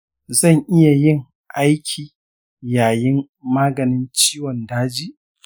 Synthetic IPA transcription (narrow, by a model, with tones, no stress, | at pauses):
zɐ˦˨ŋʔɪ˦ja˨jɪ˦˨ŋ | ʔa˦jkʲʰiː˨ | jaː˨jɪ˦mː | aː˦ɡɐ˨nɪ˦nt͡ʃiː˦wɔ˨ndaː˦d͡ʒiː˦ʔ